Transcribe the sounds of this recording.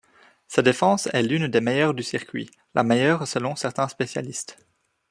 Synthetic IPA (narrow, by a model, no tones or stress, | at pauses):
sad̪efɑ̃sɛ̰lynd̪emejœʁd̪ysiʁkʲɥḭ | lʔa̰mejœːʁsəlɔ̃sɛʁt̪ɛ̃spesja̰list̪